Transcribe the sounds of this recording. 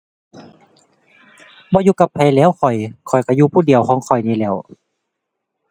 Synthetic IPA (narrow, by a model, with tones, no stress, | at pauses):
bɔː˧˦juː˧ka˧pʰːa˧˩jlɛː˧˥˨wkʰɔ˨˩jkʰɔ˨˩jka˧˩juː˧pʰuː˧˨di˨əwkʰɔː˧˦ŋkʰɔ˨˩jniː˧˩lɛː˧˩˨w